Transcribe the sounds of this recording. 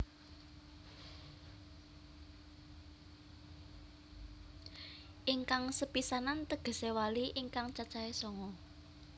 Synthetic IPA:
ʔiŋkaŋsəpisanant̪əɡ̥ə̤sewaliʔiŋkaŋt͡ʃat͡ʃaesɔŋɔ

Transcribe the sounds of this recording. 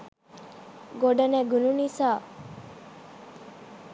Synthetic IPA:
ɡoɖəneɡununisaː

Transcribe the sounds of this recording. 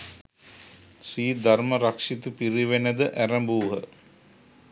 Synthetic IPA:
siːd̪arməɾakʂit̪upiɾiʋenəd̪əʔæɾəmbuːɦə̰

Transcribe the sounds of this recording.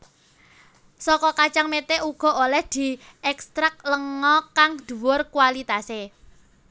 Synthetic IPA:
sɔkɔkat͡ʃaŋmet̪eʔuɡ̥ɔ̤olɛhd̪̥i̤ɛkst̪ɾak̚ləŋɔkaŋd̪̥ṳwʊrkualit̪ase

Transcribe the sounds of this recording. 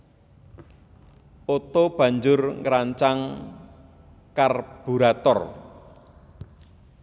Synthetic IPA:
ot̪ob̥ä̤ɲd͡ʒʊrŋɾaɲt͡ʃaŋ | karb̥uɾat̪ɔr

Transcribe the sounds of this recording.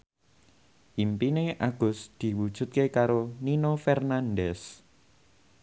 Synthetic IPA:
ʔimpineʔaɡ̥ʊ̤sd̪̥i̤wud̥ʒ̥ṳt̪̚kekaɾoninofɛrnanɖɛs

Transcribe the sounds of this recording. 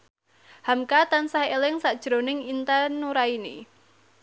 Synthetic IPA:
hamkat̪ansahelɪŋsaʔd̥ʒ̥ɾonɪŋint̪anːuɾainḭ

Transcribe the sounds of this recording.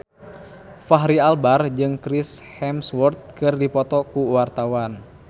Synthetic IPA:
faɦɾialbard͡ʒɨŋkɾishɛmswɔrt̪̚kɨrdipɔt̪ɔkuwart̪awan

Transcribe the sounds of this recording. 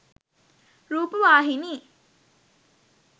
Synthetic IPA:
ɾuːpəʋaːɦiniː

